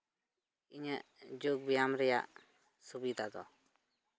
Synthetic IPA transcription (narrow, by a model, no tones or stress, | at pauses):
iɲəʔd͡ʒuk̚bijamɾɛja̰ʔ | subid̪ad̪ɔ̰